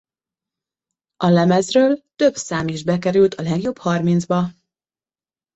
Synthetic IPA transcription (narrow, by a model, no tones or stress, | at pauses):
ɒlɛmɛzrøːlt̪ø̞bsaːmiʒbɛkɛɾylt̪ʰɒlɛɡjo̞bhɒrminzbɒ